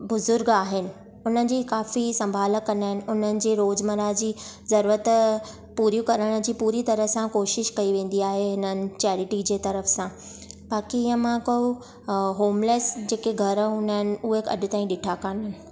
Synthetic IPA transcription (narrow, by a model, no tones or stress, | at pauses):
bʊzʊɾɡaːɦɪnɪ̆ | ʊn̤ənɪ̆d͡ʑiːkaːfisɐ̃mbʱaːləkɐnəɦɪnɪ̆ʊnənɪ̆d͡ʑeːɾoːd͡ʑməɾad͡ʑiːzɐɾuːɾət̪ | puːɾjũkɐɾəɽ̃̆d͡ʑiːpuːɾit̪ɐɾəsãkoːʃɪʃkɐiʋẽːn̆d̪iaːɦeɦɪnənɪ̆t͡ɕɛːɾɪʈid͡ʑeːt̪ɐɾəfsã | baːkiɪə̃mãkojo | ɦoːmleːsd͡ʑeːkeɡʱɐɾʊnəɦɪnɪ̆uːekɐ̰dʊ̆t̪ãːĩɗɪʈʰakaːnəɦnɪ̆